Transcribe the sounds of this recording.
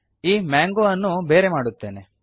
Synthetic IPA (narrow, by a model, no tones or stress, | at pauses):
iːmaːŋɡoɐnːube̞ːɾe̞maːɽut̪ːe̞ːne